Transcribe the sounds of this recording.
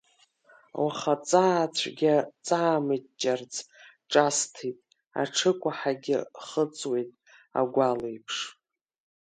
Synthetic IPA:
waχat͡sʼaːt͡ɕʷʰɡʲat͡sʼaːmɨt͡ʃʼːart͡sʰʼ | ʈ͡ʂʼastʰitʼ | a̰ʈ͡ʂʰɨkʷʼaħaɡʲɪ̰χət͡sʼwejtʼ | a̰ɡʷalejpʰʂ

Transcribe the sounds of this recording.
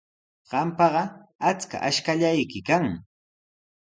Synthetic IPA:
ɢ̥ɑmpɑɢɑat͡ska̰ʔaʃkaʎajkɪkaŋ

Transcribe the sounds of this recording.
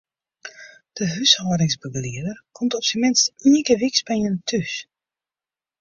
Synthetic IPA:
d̥əɦyshoːɾɪŋsbəɡəliədərkʰɔmtɔpsəmɪnstinəkəʋiksbɛjəntʰys

